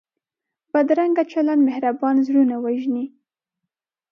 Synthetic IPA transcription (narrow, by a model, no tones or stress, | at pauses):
bad̪ɾaŋɡat͡ʃalanmɪhɾabɑnzɽunawaʒni